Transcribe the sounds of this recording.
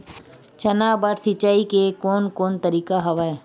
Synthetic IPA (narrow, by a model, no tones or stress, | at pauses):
t͡ʃɐnaːbəɾsɪt͡ʃaːikekoːnkoːnt̪əɾiːkaɦɐʋaːe